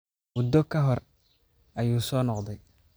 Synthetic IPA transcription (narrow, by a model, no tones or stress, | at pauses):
wʊd̪ːɔkʰɐɦɔr | ʔɐjuːsɔːnɔqd̪ɛj